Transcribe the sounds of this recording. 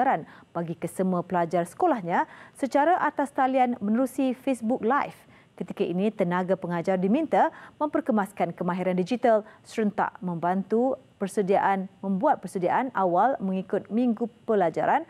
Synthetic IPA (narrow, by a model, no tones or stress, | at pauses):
aɾanb̥aɡikəsəmuapəlad͡ʒarsə̥kolahɲãsət͡ʃaɾaʔat̪ast̪alianmə̃nəɾusifesbʊk̚lajf | kət̪ikaʔinĩt̪ənãɡapəŋad͡ʒardimĩnt̪amə̃mpərkəmaskankəmãɦiɾandid͡ʒit̪alsəɾənt̪a̰ʔmə̃mbant̪upərsədiaʔanmə̃mbuat̪̚pərsədiaʔanʔawalməŋikʊt̪̚mĩŋɡupəlad͡ʒa̰ɾan